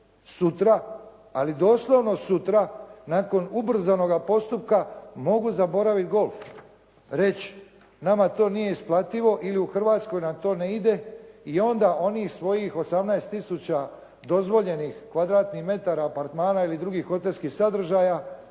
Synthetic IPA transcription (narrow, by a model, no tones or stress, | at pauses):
sut̪ɾa | a̰lid̪o̞ːslˠo̞ʋno̞sut̪ɾanaːko̞nubr̩zano̞ɡapo̞st̪up̚kamo̞ɡuzabo̞ɾaʋit̪ɡo̞lˠf | ɾe̞t͡ɕ | namat̪o̞ːnije̞isplˠat̪iʋo̞ʔiliuxr̩ʋaːt̪sko̞jnamt̪o̞ːneid̪e̞io̞nd̪aʔo̞niːxsʋo̞jixo̞samnaest̪ːisut͡ɕa | d̪o̞zʋo̞ʎe̞nixkʋad̪ɾaːt̪nixme̞t̪aɾaːpaɾt̪maːnailid̪ɾuɡixːo̞t̪elʲskixsad̪r̩ʒaːja